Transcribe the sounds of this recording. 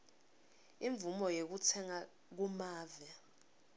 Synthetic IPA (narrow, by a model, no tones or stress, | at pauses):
iɱvumɔjek̬utʰɛŋa | k̬umaːvɛ